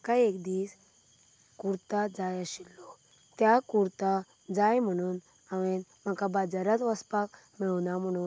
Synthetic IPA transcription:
əkaekd̪iːs | kuɾt̪ad͡zajaɕilːɔ | t̪jakuɾt̪a | d͡zajm̤əɽ̃uːn | aʋẽnm̤akabad͡zaɾat̪ʋəspak | miɭnam̤əɽ̃uːn

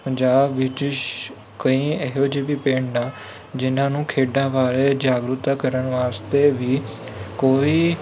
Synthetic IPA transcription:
pəd͡ʒaːbʋɪt͡ʃt͡ʃ | kəĩːəɦoːd͡ʒeːbiːpẽːɳɖaː | d͡ʒɪnãːnũːkʰeːɖãːʋaːɾeːd͡ʒaːɡɾʊt̪aːkəɾəɳʋaːst̪eʋiː | koːiː

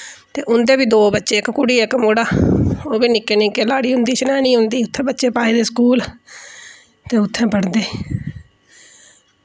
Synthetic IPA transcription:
t̪eːʔʊnd̪eːbiːd̪oːbətːʃeːɪkkʊɽiːɪkmoːɽaːoːbiːnɪkːeːnĩːkeːlaːɽiːɦʊnd̪iːt͡ʃənɛːnĩːɦʊ̃nd̪iːʊt̪ʰːẽːbətːʃeːpaːeːd̪eːsə̥kuːl | t̪eːʊt̪ʰːẽːpəɽd̪eː

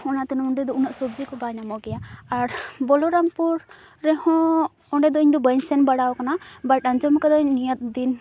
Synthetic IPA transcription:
ɔnat̪ɛnɔɳɖɛd̪ɔunaʔsɔb̚d͡ʒikɔbaɲamɔkɛjaaɾbɔlɔɾampuɾː | ɛhɔ̃ | ɔɳɖɛd̪ɔiɲd̪ɔbəɲsɛnbaɽawkanabaʈ̚aɲd͡ʒɔmkɛd̪ɔiɲːijət̪̚d̪in

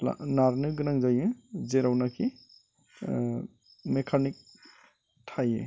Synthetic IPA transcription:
la̰naɾnɯɡɯɾaŋzajɯzeɾawnakʰi | mekʰanik̚ | tʰajḛ

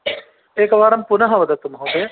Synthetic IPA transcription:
eːkɐʋaːɾɐmpunɐɦɐʋɐd̪ɐt̪ːumɦoːd̪e

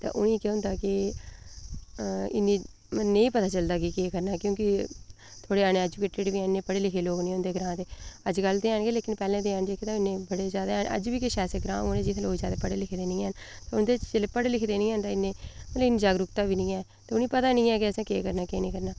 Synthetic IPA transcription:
t̪a̰ːʔʊ̰nĩːkeʊ̃nd̪aːkɪ | ɪ̰nːĩː | mənːẽːĩːpət̪aːt͡ʃəld̪aːkɪkeːkəɾnaːkjõːkɪ | t̪ʰoːɽeːañẽːɛːd͡ʒukeːʈeːɖʋiːãːnːẽːpəɽeːlɪkʰeːloːɡnĩːʊnd̪eːɡɾãːt̪eːəd͡ʒɡəlt̪eːãːnɡeːleːkɪnpɛːlẽːt̪eːãːnd͡ʒeːkʰet̪ãːɪnːẽːbəɽeːzaːd̪aʔə̰d͡ʒʋiːkɪʃɛːsəɡɾã̰ːoːnẽːd͡ʒɪt̪ʰːloːiːzaːd̪aːpəɽeːlɪkʰd̪eːnĩːɛn | t̪aːʊnd̪eːt͡ʃt͡ʃeleːpəɽlɪkʰd̪eːnĩːãːnd̪aːɪnːẽːməlɪnːĩd͡ʒaːɡɾʊkt̪aːʋiːnĩːɛː | t̪eːʊniːpət̪aːnĩːɛːkɪəsẽːkeːkəɾnaːkeːnĩːkəɾnaː

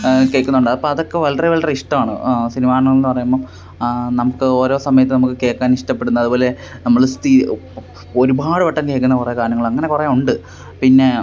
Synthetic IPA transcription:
keːkːunːɐuɳɖaːðɐpːoɐðo̞kːeʋɐlɐriʋɐlɐreiʂʈɐmaːɳɨ̰sinimaːɐɳɐŋːɐɭilnːɨpɐrɐjumboː | nɐmukːɨo̞ːɾo̞ːsɐmɐjɐt̪ːɨnɐmukːɨke̞ːkːaːniʂʈɐpːe̞ɽunːɐɐðubo̞ːle̞ | nɐmːɐɭst̪i | oɾubaːɽɨʋɐʈːɐmke̞ːɭkːunːɐkurekaːɾjɐŋːɐɭɐŋːɐne̞kureuɳɖɨ | pinːe̞

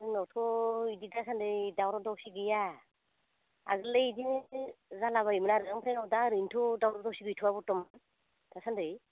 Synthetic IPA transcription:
nɔtʰɔididasandɯjdawɾɔdɔwsiɡɯja | a̰ɡɯlejidinzalaβaimɯnaɾɯzaŋpʰɾenɔdaɾɯntʰɔdawɾɔdɔwsiɡɯjtʰuabɔtɔman | d̥asandɯj

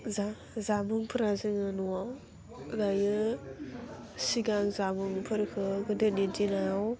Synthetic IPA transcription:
za | zamɯŋpʰɯɾazɯŋɯnuwaw | lajɯ | siɡaŋzamɯŋpʰɯɾkʰɯɡɯdɯnidinaaw

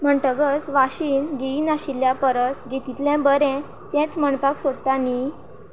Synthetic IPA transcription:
m̤əɳʈ̪əɡət͡sʋaɕiːnɡiinaɕilːjapəɾəsɡet̪it̪lɛ̃bəɾɛ̃ | t̪jɛ̃t͡sməɳpaksod̪t̪ani

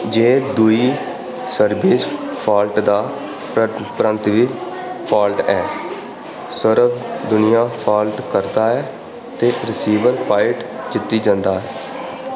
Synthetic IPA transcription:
d͡ʒeːd̪uiː | səɾbɪspʰaːlʈd̪aː | pɾə̃nt̪ʋiː | pʰaːlʈɛː | səɾəbd̪ʊnɪjaːpʰaːlʈkəɾd̪aːɛː | t̪eːɾɪsiːʋəɾpaːɪʈd͡ʒɪt̪ːiːd͡ʒãnd̪aːɛː

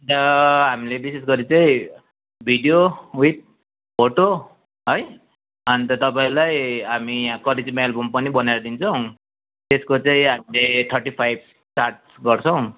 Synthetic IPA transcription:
t̪ʌɦamilebises̬ɡʌɾit͡saĩ | bʱiɖijowit̚ | pʰoʈo | ɦʌj | ʌnit̪ʌt̪ʌpaĩlajɦamiãkʌled͡zmelbompʌnibʌnajɾʌd̪int͡sʰʌw̃ | t̪eskot͡saĩɦamileʈʰʌɾʈipʰajb̚ | sʈaɾʈ | ɡʌɾt͡sʰʌw̃

